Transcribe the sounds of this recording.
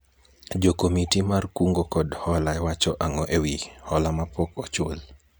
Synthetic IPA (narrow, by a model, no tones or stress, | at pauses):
d͡ʒokomitimarkuŋɡokɔdhɔlaɛwat͡ʃɔʔaŋɔʔewihɔlamapɔkɔt͡ʃol